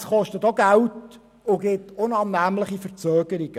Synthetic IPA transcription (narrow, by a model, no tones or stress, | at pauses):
sχɔʃtətoɡælt | ʊɡɪtʊnɑnːæmləχifəɾt͡søːɡ̥əɾɪɡ̥ə